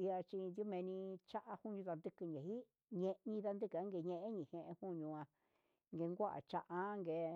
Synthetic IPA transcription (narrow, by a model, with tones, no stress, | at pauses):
i˧a˧t͡ʃi˧nd̪jo˦mẽ˧nĩ˧t͡ʃa˦ʔa˧hu˦˧ɲũ˧ða˧nd̪ɨ˧kɨ˧ɲẽ˨hi˦ | ɲẽ˧ɲĩ˧ða˧nd̪ɨ˦ka˦ŋɡe˧ɲẽ˧ʔẽ˦ɲĩ˨hẽ˧ʔẽ˧hu˦ɲũ˧ã˧ | ŋɡe˧ŋɡʷa˦ʔa̰˨t͡ʃa˧ʔa˧˦˧ŋɡe˧